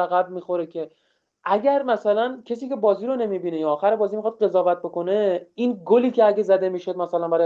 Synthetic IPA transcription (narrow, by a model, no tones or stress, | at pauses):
æɣæb̚miːxo̞ɾekʰe̞ | ʔæɟæɾmæsælæncʲʰes̬iːke̞bɒːziːɾone̞mibiːnejɒːxæɾebɒːziːmixɒːd̪̚ɢe̞zɒːvæt̪̚bo̞ko̞ne̞inɡoliːcʰeæɡʲezæd̪e̞miːʃo̞d̪̚mæsælænbæɾɒ